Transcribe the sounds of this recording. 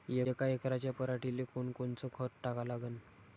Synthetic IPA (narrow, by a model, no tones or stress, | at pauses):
jekaekɾat͡ɕjapəɾaʈilekoɳkont͡sɔkʰəʈʈakalaɡən